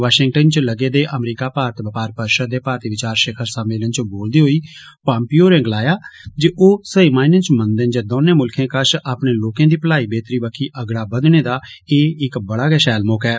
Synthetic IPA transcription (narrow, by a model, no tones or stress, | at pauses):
ʋaːʃɪŋɡ̚ʈənt͡ʃləɡeːd̪eːʔəmɾiːkaːpaːɾət̪bəpaːɾpəɾʃəd̪eːpaːɾt̪iʋɪt͡ʃaːɾʃeːkʰəɾsaːmɪːlənt͡ʃboːld̪iːɦoːiː | pãːmpiːoːɾɛ̃ːɡlaːjaːd͡ʒeʔoːsəiːmaːɪnənt͡ʃmənd̪ənd͡ʒəd̪oːnẽːmʊlkʰẽːkəʃaːpɳeːloːkãːd̪iːpəlaːiːbeːt̪ɾiːbəkʰiːʔəɡɽaːbəd̪neːd̪aː | eːɪkbəɽaːɡɛʃɛːlmʊkɛː